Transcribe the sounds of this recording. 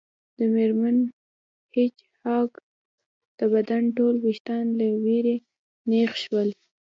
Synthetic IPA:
d̪̥əmeɾman | het͡ʃ | hɑk | d̪̥əbad̪anʈolwiʃt̪ɑnlaweɾe | nexʃwəl

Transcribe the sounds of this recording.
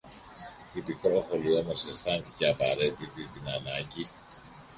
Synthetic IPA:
ipikɾo̞xo̞lio̞mosest̪ɐnθiceɐpɐɾe̞t̪it̪it̪inɐnɐɲɟi

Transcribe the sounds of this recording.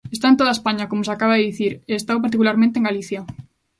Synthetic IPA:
est̪aent̪oðaespaɲakomosakaβaðeðiθiɾeːst̪awp̬aɾt̪ikulaɾmẽnt̪ẽŋɡaliθja

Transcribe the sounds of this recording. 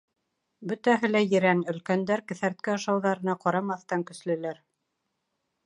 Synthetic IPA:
bɵ̆t̪æɦɘ̆læjɘ̆ɾænɵ̆lkænd̪æɾkɘ̆θæɾt̪̚kæɑʃɑwðɑɾɤ̆nɑqɑɾɑmɑθt̪ɑŋkɵ̆slɘ̆læɾ

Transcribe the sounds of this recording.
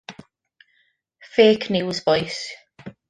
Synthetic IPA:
feːkʰnjuwzvɔjs

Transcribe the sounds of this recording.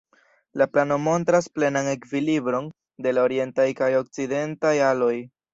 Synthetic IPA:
laplano̞mo̞ntɾasple̞naŋe̞kvilibɾo̞n | de̞laoɾie̞ntajkajo̞k̚t͡side̞ntajalo̞j

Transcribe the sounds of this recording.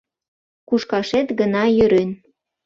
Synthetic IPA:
kuʃkɑʃet̪ɡənɑjøɾen

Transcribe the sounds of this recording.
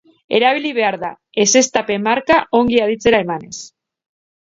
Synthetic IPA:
e̞ɾaβ̞iliβe̞aɾða | e̞se̞st̪ape̞maɾkaʔo̞ŋɡiaðit͡se̞ɾae̞mane̞s

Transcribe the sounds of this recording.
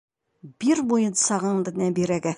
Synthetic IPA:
biɾbujɤnsɑʁɤɴd̪ɘ̆næbiɾæɡæ

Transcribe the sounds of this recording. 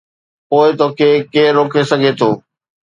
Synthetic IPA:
poːɪt̪oːkʰeːkeːɾoːkʰesɐɡʱet̪ʰoː

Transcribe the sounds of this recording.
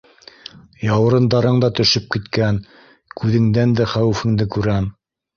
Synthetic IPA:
jɑwɤ̆ɾɤ̆nd̪ɑɾɤɴd̪ɑt̪ɵ̆ʃɘp̚kit̪kæn | kʉðɘ̆ŋd̪ænd̪æχæwɘfɘ̆ŋd̪ɘkʉɾæm

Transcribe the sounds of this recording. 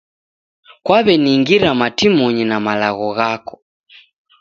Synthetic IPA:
kwaβɛniŋɡiɾamatimɔɲinamalaɣɔɣakɔ̥

